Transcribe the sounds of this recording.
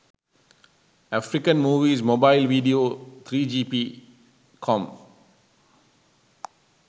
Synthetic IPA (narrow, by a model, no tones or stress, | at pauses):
ɛfɾikə̃nmuːvismobaɪlvidiot̪ʰɾiːd͡ʒiːpi | kʰɔ̃m